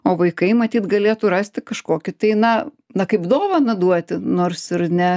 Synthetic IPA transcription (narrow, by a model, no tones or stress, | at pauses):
oːʋɐɪkɐɪmɐt̪ʲiːt̪ɡɐlʲeːt̪uɾɑːsʲt̪ʲɪkɐʃkoːkʲɪt̪ɐɪnɐ | nɐkɐɪpd̪oːʋɐnɐd̪uɔt̪ʲɪnoːrsɪrnʲɛ